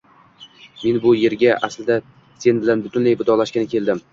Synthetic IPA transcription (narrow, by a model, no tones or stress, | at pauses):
me̞nbʊje̞ɾɡʲaʔaslɪd̪a | se̞nbɪlanbʊt̪ʰʊnlajbɪd̪ɒlaʃkʲanɪkʲʰeld̪ɪm